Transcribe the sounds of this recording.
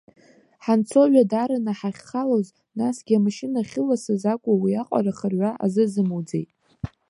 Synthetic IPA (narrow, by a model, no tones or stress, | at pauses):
ħant͡sʰo̞ʒʷᶣadaɾanaħaχʲχaloz | nasɡʲiamaʃɪnaχʲɪlasɨzakʷʼawiaqʷʼa̰ɾaχərɥʷaʔa̰zɨzɨmud͡zejtʼ